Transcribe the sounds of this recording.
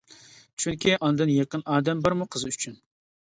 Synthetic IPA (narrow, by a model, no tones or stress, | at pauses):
t͡ʃʰyŋkʲʰiʔɑnd̪ɨnjeqənɑːd̪ɛmbɑɾmuqʰəzɨyt͡ʃʰyn